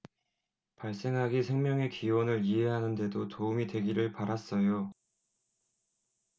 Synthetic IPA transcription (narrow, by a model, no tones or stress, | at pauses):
paɭs͈e̞ŋɦaɡisʰe̞ŋmjʌŋe̞kiwʌnɯɭiɦe̞ɦanɯnde̞dotoumidwe̞ɡiɾɯɭpaɾas͈ʌjo